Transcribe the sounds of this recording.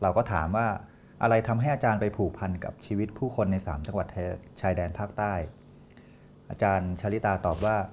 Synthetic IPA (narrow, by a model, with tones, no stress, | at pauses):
ɾa˧wkɔː˥˩t̪ʰa̰ː˩˦mwaː˥˩ | ʔa˧ɾa˧jt̪ʰa˧mɦa˥˩jʔaː˧t͡ɕaː˧npa˧jpʰuː˨˩k̚pʰa˧nka̰˨˩p̚t͡ɕʰiː˧wi˦˥t̪̚pʰuː˥˩kʰo˧nːa˧jsa̰ː˩˦mt͡ɕa˧ŋwa˨˩t̪̚t͡ɕʰaː˧jdɛː˧npʰaː˥˩k̚t̪aː˥˩j | ʔaː˧t͡ɕaː˧nt͡ɕʰa˦˥li˦˥t̪aː˧t̪ɔː˨˩p̚waː˥˩